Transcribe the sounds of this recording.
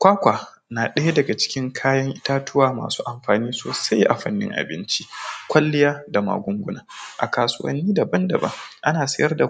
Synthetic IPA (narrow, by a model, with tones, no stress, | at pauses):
kʷaː˦kʷaː˨ | naː˨ɗɐ˦ja˦dɐ˨ɡa˨t͡ʃɪ̥˦kʲɪ˦ŋkʰaː˦jɐ˦ŋʔɪ˦taː˦tʊ˦waː˨ma̰ː˨su̥ː˦ʔa˨mɸaː˨niː˦soː˨sa˦jʔa̰˨ɸɐ̰˦nːɪ̰˦ŋʔa̰˨bɪ˦nt͡ʃi˦kʷɐ˦lːɪ˦jaː˦da˨ma̰ː˨ɡʷʊ˦ŋɡʷʊ˦naː˨ʔa˨kaː˨sʊ˦wɐ̰˦nːiː˦da˨bɐ˦ndɐ̰˨bɐ̰˦ŋʔa˦naː˨sɐ̰˦jɐ˦rda˨